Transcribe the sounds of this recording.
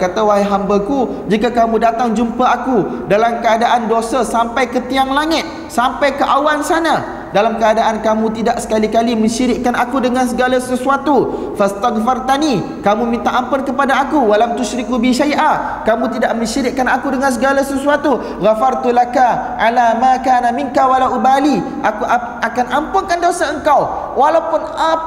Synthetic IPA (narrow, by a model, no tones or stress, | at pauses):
kat̪awaɦajɦambakud͡ʒikakamũdat̪aŋd͡ʒumpaakudalamkəadaʔandosasampajkət̪iaŋlaŋɪt̪̚ | sampajkəʔawansana | dalamkəadaʔankamũt̪idaʔsə̥kalikalimə̃ɲʃiɾɪʔ̚kanakudəŋãns̬əɡalasəsuat̪u | fast̪aɡfart̪ani | kamũmĩnt̪aʔampʊnkəpadaakuwalat̪uʃɾikubiʃajʔa | kamũt̪idaʔ̚mə̃ɲʃiɾɪʔ̚kanakudəŋans̬əɡalasəsuat̪u | ɣafart̪ulakaʔalamãkaːnamiŋkawalaʔubali | aku | akanampʊŋkandosaəŋkaw | walawpʊna